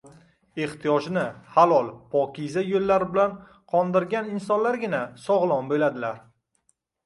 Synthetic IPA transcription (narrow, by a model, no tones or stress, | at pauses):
e̞ht̪ʰijɒʒnɪhalˠɒlˠpʰɒkʲʰizajolːaɾɪbɪlan | qʰɒnd̪ɪɾɡʲanɪnsɒnlaɾɡʲɪnasɒʁlˠɒnbe̞lad̪ɪlaɾ